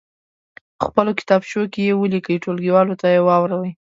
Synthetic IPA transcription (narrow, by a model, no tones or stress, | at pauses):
əxpəlokɪ̥t̪ɑbʃokejewəlikəjʈolɡiwɑlot̪ajewɑwɾawəj